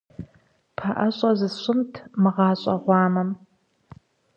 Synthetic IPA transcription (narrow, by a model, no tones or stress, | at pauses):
pʰɐʔɐɕʼɐzɨɕʷʼʊmtʰmɨʁɑːɕʼɐ̰ʁʷɑːmɐm